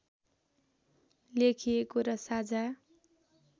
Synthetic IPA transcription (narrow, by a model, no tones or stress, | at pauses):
lekʰijekoɾʌsad͡zʱa